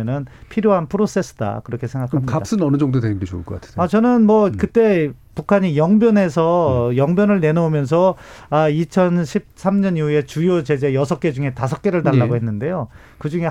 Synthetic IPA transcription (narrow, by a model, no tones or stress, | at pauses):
nɯnpʰiɾjoɦanpʰɯɾos͈e̞s͈ɯ̥da̰kɯɾʌkʰe̞sʰe̞ŋɡakʰamɲidadas͈ɯnʌnɯd͡ʑʌŋdodenɯnɡet͡ɕouɭkʌk͈atʰnat͡ɕʌnɯnmwʌkɯt͈e̞ | pukʰaɲijʌŋbjʌne̞sʰʌjʌŋbjʌnɯɭne̞noomjʌns̬ʰʌait͡ɕʰʌnɕʰip̚s͈ʰamɲʌniue̞t͡ɕujot͡ɕe̞d͡ʑe̞jʌsʰʌk͈e̞d͡ʑuŋe̞tasʰʌk͈̚e̞ɾɯɭtaɭːaɡoɦe̞nːɯnde̞jo | kɯd͡ʑuŋe̞